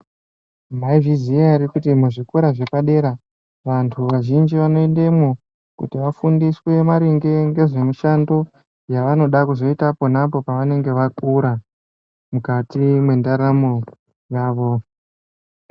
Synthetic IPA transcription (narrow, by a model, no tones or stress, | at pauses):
maiviziaɾikutimuʐikuɾaʐepaɗe̞ɾa | ʋantʰuʋaʒind͡ʒiʋano̞e̞nde̞mwo | kṵtiʋafundiswe̞maɾiŋɡe̞ŋɡe̞ʐe̞muʃando̞ | jaʋano̞ɗakuzo̞itaponapo̞paʋane̞ŋɡe̞ʋakuɾa | mukatimwe̞ndaɾamo | jaːʋo̞